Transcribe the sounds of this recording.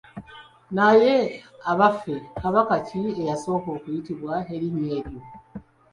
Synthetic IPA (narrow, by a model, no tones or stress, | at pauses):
naje̞aβafe̞kaβakaciejaso̞ːko̞ːkuitiβwaɦeɾime̞ːɾjo